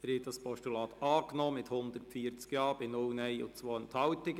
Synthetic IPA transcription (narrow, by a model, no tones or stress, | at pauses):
əɾɪtd̥ɑspʰɔʃtulɑːt̪ɑːknɔːmɪthʊnd̪əɾtfiːəɾt͡skjɑːb̥ɪnʊlnɛɪʊ̰t͡sʋoːənt̪ʰɑwt̪ɪɡ